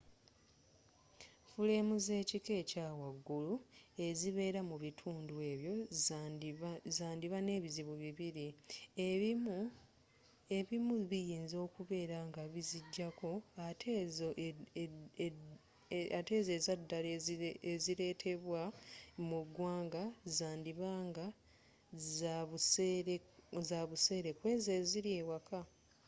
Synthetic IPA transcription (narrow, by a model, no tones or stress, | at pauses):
fule̞ːmuze̞ːcike̞ːcaːwaɡːulue̞ziβe̞ːɾamuβitʰuːndue̞ːβjo̞ | zaːndiβane̞ːβiziβuβiβiɾi | eβimuβijiːnzo̞ːkuβe̞ːɾaŋɡaβiziɟːako̞atʰezoʔ | ate̞ze̞ːzadːaleeziɾe̞ːtʰe̞βwamuɡwaːŋɡazaːndiβaːŋɡa | zaβuseɾezaβuse̞ːɾe̞kwe̞ːze̞ːziɾiewakʰa